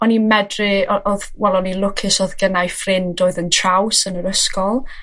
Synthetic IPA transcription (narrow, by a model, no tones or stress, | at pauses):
ɔnimɛdrɪɔʔɔðwɛlˠɔnilˠʊkʰɪsɔðɡənajfrɪndoːɨðəntʰrawsənəɾəskɔlˠ